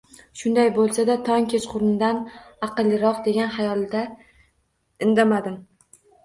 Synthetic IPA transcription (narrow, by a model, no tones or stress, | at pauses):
ʃʊnd̪ajbolˠsad̪at̪ʰɒŋkʲʰet͡ʃqʰʊɾnɪd̪anɑqɨlˠːɪɾɒqd̪e̞ɡʲanhajɒlˠd̪a | ɪnd̪amad̪ɪm